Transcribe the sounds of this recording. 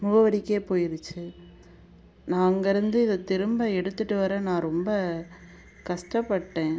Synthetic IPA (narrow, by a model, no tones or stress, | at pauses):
mʊɣɐʋɐɾɪkːeːpoːjɪɾɯt͡ʃːɯ | naːŋɡɐɾɯnd̪ɯɪðɐt̪ɪɾɯmbɐɛɽɯt̪ːɯʈːɯʋɐɾɐnãːɾɔmbɐ | kɐʂʈɐpːɐʈːẽː